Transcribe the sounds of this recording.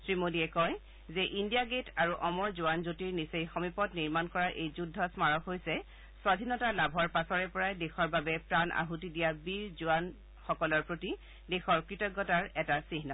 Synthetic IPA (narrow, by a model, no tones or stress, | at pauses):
sɹimodiɛkɔj | zɛʔindijaɡetʰaɹuʔɔmɔɹzʊwanzotiɹnisejxɔmipɔtniɹmankɔɹaɹʔejzudʱːɔsmaɹɔkɦojsɛ | swadʱinɔtalabʱɔɹpasɔɹɛpɔɹajdexɔɹbabɛpɹanʔa̰ɦutidijabiɹzʊan | xɔkɔlɔɹpɹoti | dexɔɹkɹitɔɡːɔtaɹɛtasiɦnɔ